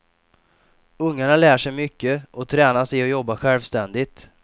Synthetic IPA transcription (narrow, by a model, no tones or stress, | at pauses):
ɵŋːaɳalæːʂɛjmʏkːəʔɔt̪ʰɾɛːnasɛjɔjɔbːaɧɛlvst̪ɛnd̪ɪt̪